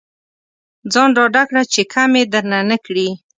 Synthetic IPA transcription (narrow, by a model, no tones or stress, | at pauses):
d͡zɑnɖɑɖakɽat͡ʃekʰamed̪əɾnanəkɽi